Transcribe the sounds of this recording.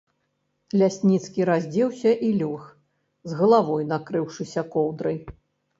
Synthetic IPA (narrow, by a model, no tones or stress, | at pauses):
lʲasʲnʲit̪skʲiɾazʲd͡zʲɛwsʲɐʔilʲɔx | zɣɐlˠavɔjnakɾɨwʂɨsʲɐkɔwd̪ɾɐj